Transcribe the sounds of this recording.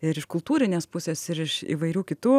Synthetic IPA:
ɪɾɪʃkʊlˠt̪uːɾʲɪnʲeːspʊsʲeːsɪɾɪʃḭːʋɐɪɾʲuːkʲɪt̪uː

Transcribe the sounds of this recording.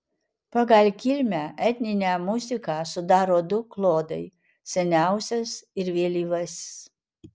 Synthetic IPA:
pɐɡɐlʲkʲɪlʲmʲæːʔɛt̪ʲnʲɪnʲæːmʊzʲɪkɑːsʊd̪ɑːɾoːd̪ʊklˠoːd̪ɐɪ | sʲɛnʲæˑʊsʲɛsɪɾʋʲiɛlʲiːʋɐsʲs

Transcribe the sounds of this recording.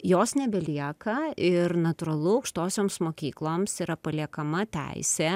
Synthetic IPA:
joːsnʲɛbʲɛlʲiɛkɐɪɾnɐt̪ʊɾɐlˠʊɐʊkʃt̪oːsʲoːmsmoːkʲiːklˠoːmsiːɾɐpɐlʲiɛkɐmɐt̪ʲæ̰ɪsʲeː

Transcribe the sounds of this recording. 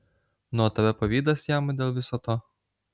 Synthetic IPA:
nʊɔːt̪ɐʋʲɛpɐʋʲiːd̪ɐsjæmd̪ʲeːlˠʋʲɪsoːt̪oː

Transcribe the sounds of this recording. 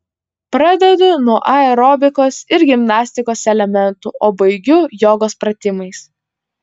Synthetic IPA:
pɾɑd̪ʲɛd̪ʊnuɔʔɐɛɾɔːbʲɪkoːsɪɾɡʲɪmnɑːsʲt̪ʲɪkoːsɛlʲɛmʲɛnˑt̪ṵːʔoːbɐɪɡʲʊjoːɡoːspɾɐt̪ʲɪmɐɪs

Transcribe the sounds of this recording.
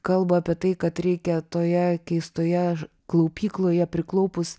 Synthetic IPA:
kɐlˠbɐɑːpʲiɛt̪ɐɪkɐt̪ɾʲɛɪkʲɛt̪oːjɛkʲɛɪst̪oːjɛ | klˠɐʊpʲiːklˠoːjɛpʲɾʲɪklˠɐʊpʊs

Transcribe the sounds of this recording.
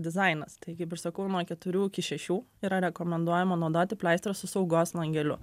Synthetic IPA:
d̪ʲɪzɐɪnɐst̪ɐɪkɐɪpɪɾsɐkɐʊnuɔkʲɛt̪ʊɾʲuːɪkʲɪʃʲɛʃʲuːiːɾɐɾʲɛkoːmʲɛnd̪uɔjɛmɐnoʊd̪oːt̪ʲɪpʲlʲæˑɪst̪ʲɾsʊsɐʊɡoːslˠɐŋʲɡʲɛlʲʊ̰

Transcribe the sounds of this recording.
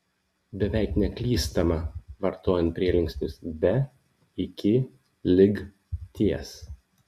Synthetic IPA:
bʲɛʋʲɛˑɪknʲɛklʲiːst̪ɐmɐʋɐɾt̪oːjɛnt̪̚pʲɾʲiɛlʲɪŋʲksʲt̪ʲʊsbʲɛ | ɪkʲɪ | lʲɪɡ | t̪ʲiɛs

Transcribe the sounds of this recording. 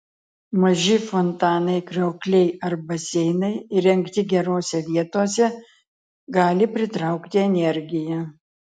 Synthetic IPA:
mɐʒʲɪfɔnt̪ɑːnɐɪkɾʲɛʊklʲɛɪɐɾbɐsʲɛɪnɐɪɪɾʲɛŋkt̪ʲɪɡʲɛɾoːsʲɛʋʲiɛt̪oːsʲɛ | ɡɑːlʲɪpʲɾʲɪt̪ɾɐˑʊkt̪ʲɪɛnʲɛɾʲɡʲɪjɛ

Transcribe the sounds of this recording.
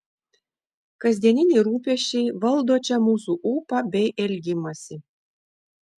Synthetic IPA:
kɐzʲd̪ʲiɛnʲinʲeɾuːpʲeʃʲejʋɐlˠd̪oːt͡ɕʲɛmuːsuʔupɑbʲɛjʔɛlʲɡʲimɐsʲi

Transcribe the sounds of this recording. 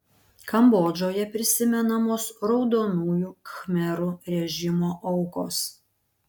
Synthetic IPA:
kɐmboːd͡ʒʲoːjɛpʲɾʲɪsʲɪmʲɛnɐmoːsɾɒʊd̪oːnuːjuːkxmʲɛɾuɾʲɛʒʲɪmoːʔɐʊkoːs

